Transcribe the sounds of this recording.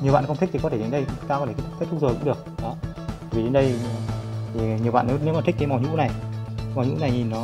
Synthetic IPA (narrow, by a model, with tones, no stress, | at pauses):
ɲi˨˩əɓa̰ː˧˨˧xə˧ŋ͡mt̪i˦˥k̚t̪ʰi˨˩kɔ˦e˧˩e˨˦nɗə˧a˧kt̪e˧˩˦t̪ːt̚t̪ʰu˦˥zəː˨˩jkʊ̰˧˥ŋ͡mɗɨ˨˩ək̚ɗɔ˨˦ | a˨˧˩vi˨˩ɗe˨˦nɗə˧j | t̪ʰi˨˩ɲi˨˩əwɓa̰ː˧˨ne˨˦ne˨˦maː˨˩i˦˥k̟kːaː˨˦jma˨˩ɲṵ˧˥na˨˩jma˨˩ɲṵ˧˥na˨˩jɲi˨˩nːɔ˨˦